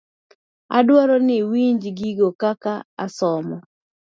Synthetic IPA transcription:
a̰dwɔɾɔnɪwiɲd͡ʒɡiɡokakaa̰sɔmɔ

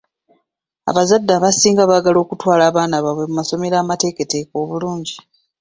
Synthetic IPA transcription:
a̰βazadːaβasiːŋɡaβaːɡalo̞ːkutwaːlaːβaːnaβaβwe̞mumaso̞me̞ɾaːmate̞ːke̞te̞ːko̞ːβuluːɲɟi

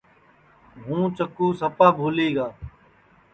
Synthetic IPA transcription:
ɦũːt͡ʃəkuːsəpaːbʱuːliːɡaː

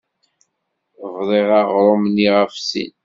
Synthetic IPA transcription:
vðˤeʁɑʁɾˤomniʁəfsḭn

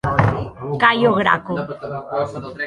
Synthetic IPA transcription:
kajoɣɾa̰ko

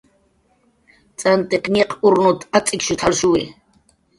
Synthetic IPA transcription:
t͡sʼant̪ʼɛqɲɛqʰʊɾnut̪ʰat͡sʼɪkʃut̪ʰalʃuwḭ

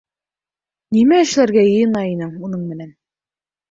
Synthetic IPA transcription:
nimæɘ̆ʃlæɾɡæjɤ̆jɤ̆nɑinɘŋunɤɴmɘ̆næn

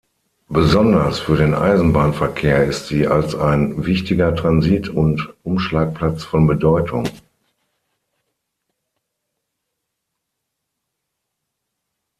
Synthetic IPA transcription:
b̥əzɔndɐsfyːɐɾeːnʔa̰ɪzn̩baːnfɛɐkʰeːɐɪstz̥iːʔa̰lsaɪnvɪçtɪɡɐtʁ̥anziːtʰʊntʔʊmʃlaːk̚pl̥at͡sfɔnbədɔʏtʰʊ̰ŋ

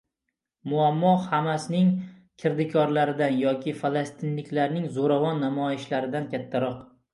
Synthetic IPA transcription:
mʊamːɒhamasɪnɪŋ | kʲʰɪɾd̪ɪkʰɒɾlaɾɪd̪anjɒkʲʰɪfalˠast̪ʰɪnlɪkʲlaɾnɪŋzoɾavɒnːamɒjɪʃlaɾɪd̪ankʲʰat̪ʰːaɾɒq

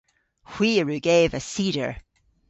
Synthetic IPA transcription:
hw̥iɹʉɡeːvəsiɾə̰˞

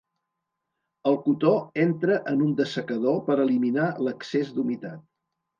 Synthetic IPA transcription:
əlˠkut̪oent̪ɾəʔənund̪əsəkəðopəɾəliminaləksezd̪umit̪at̪̚

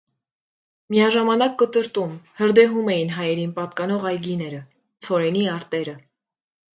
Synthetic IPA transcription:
mijɑʒɑmɑnɑkːət̪əɾt̪umhəɾd̪ɛɦumɛjinɦɑjɛɾinpɑt̪kɑnɔʁɑjɡinɛɾə | t͡sʰɔɾɛniɑɾt̪ɛɾə

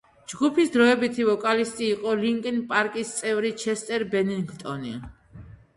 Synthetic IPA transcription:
d͡ʒɡupʰisd̪ɾɔɛbit̪ʰivɔkʼalist̪ʼiːqʼɔliŋkʼinpʼaɾkʼist̪sʼɛvɾit͡ʃʰɛst̪ʼɛɾbɛniŋɡt̪ʼɔnḭ

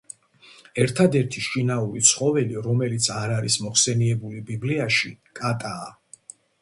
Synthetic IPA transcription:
ɛɾt̪ʰad̪ɛɾt̪ʰiʃinauɾit̪sʰχɔvɛliɾɔmɛlit̪sʰaɾaɾismɔχsɛniɛbulibibliaʃikʼat̪ʼaː

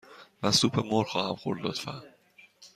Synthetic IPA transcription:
væsuːpʰemoɾxɒːhæmxoɾd̪ɒːd̪̥fæ̰

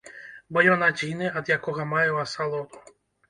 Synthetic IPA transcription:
bɔjɔnad͡zʲinɨɐd̪jakɔɣɐmajɛwasalˠɔd̪u̥

